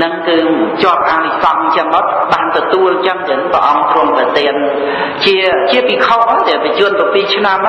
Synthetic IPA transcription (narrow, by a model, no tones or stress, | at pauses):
nɨŋkɨːt͡ɕŏəp̪̚ʔaisɑŋt͡ɕəŋmot̪̚ɓaːnt̪ɔt̪uəlt͡ɕəŋt̪ɨənŋpɾə̰ʔɑŋt̪rŭəmpɛt̪eən | t͡ɕiət͡ɕiəpikʰomʔajt̪ɛəpit͡ɕʊənpopiːt͡ɕʰnam